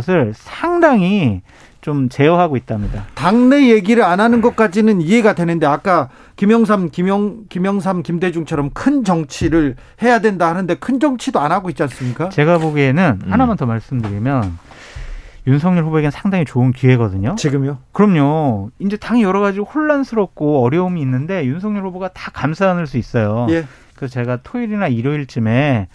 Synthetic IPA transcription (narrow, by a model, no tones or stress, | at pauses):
s̬ʰɯɭsʰaŋdaŋi | t͡ɕomt͡ɕe̞jʌɦaɡoit̚t͈amɲidataŋne̞je̞ɡiɾɯɾanɦanɯnɡʌt̚k͈ad͡ʑinɯnie̞ɡadwenɯnde̞ak͈̚a | kimjʌŋs̬ʰamkimjʌŋkimjʌŋs̬ʰamkimde̞d͡ʑuŋt͡ɕʰʌɾʌmkʰɯnd͡ʑʌŋt͡ɕʰiɾɯɭ | he̞jadwendahanɯnde̞kʰɯnd͡ʑʌŋt͡ɕʰidoanɦaɡoit̚t͡ɕ͈ians͈ɯmɲik͈at͡ɕe̞ɡaboɡie̞nɯnhanamʌntʰʌmaɭs͈ɯmdɯɾimjʌn | junsʰʌŋɲuɭɸubue̞ɡensʰaŋdaŋit͡ɕoɯnkie̞ɡʌdɯɲot͡ɕiɡɯmjokɯɾʌmɲoind͡ʑe̞taŋijʌɾʌɣad͡ʑiohoɭːansʰɯɾʌp̚k͈oʌɾjʌumiːnːɯnde̞junsʰʌŋɲuɭɸuboɡatḁkamsʰaɦːnɯɭs͈uis͈ʌjoje | kɯsʰʌt͡ɕe̞ɡatʰoiɾinaiɾjoiɭt͡ɕ͈ɯme̞